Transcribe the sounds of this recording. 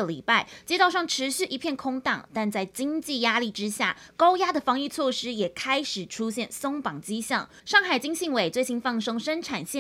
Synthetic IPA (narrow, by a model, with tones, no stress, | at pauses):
ə˨lḭ˨˩pa˥˩ɪt͡ɕjɛ˥t̪ɑ˥˧ʊʂɑ˥˩ŋʈ͡ʂʰɻ̩˨˧˥ɕy˥˩ʔi˧˥pʰjɛ˥˩nkʰʊ˥ŋt̪ɑ̰˨˩ŋt̪a˥˧nt͡sa˥˩ɪt͡ɕi˥ŋt͡ɕi˥˩ja˥li˥˩ʈ͡ʂɻ̩˦ɕja̰˥˩kɑ˥ʊja˥d̪ə˨˩fɑ˧˥ŋi˥˧t͡sʰwɔ˥˩ʂɻ̩˥jɛ˨˩kʰa˥ɪʂɻ̩˨˩ʈ͡ʂʰu˥ɕjɛ˥˩nso˥ŋpɑ˨˩ŋt͡ɕi˥ɕjɑ̰˥˩ŋ | ʂɑ˥˩ŋxa˨˩ɪt͡ɕi˥ŋɕi˥˩ŋwe˨˩ɪt͡swe˥˩ɪɕi˥nfɑ˥˩ŋʂɤ˥ŋʂə˥nʈ͡ʂʰa˨˩nɕjɛ˥˨